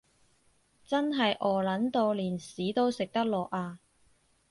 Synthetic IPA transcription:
t͡sɐ˥nɦɐ˨jʔɔː˨˩lɐ˨˥nt̪o˧wliː˨˩nsiː˨˥t̪o˥wsɪ˨k̚t̪ɐ˥k̚lɔː˨k̚aː˧

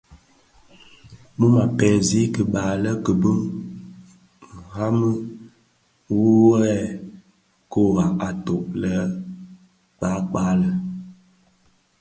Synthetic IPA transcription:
mu˦ma˨pɛ˨zi˦kə˨ɓaː˨lə˦kə˨bə˦ŋ | ŋ̩˨ha˦mə˦ | wu˦wɛ˦ | ko˦˨ɣa˨a˨to˨ʔlə˦ | k͡pa˨˦k͡pa˦lə˨

